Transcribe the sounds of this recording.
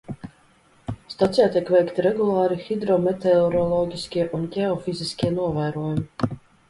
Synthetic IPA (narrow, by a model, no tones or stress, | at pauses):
st̪ɔt̪sijaːt̪iɛkvɛjkt̪iɾɛɡulˠaːɾixid̪ɾɔmɛt̪ɛɔɾɔlˠɔɟʲiskʲiɛʔunɡʲɛɔfiziskʲiɛnuɔvæːɾuɔjumi